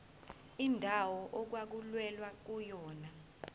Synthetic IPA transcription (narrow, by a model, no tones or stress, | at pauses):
indʱawɔʔok̬wak̬ulwɛlwak̬ujɔːna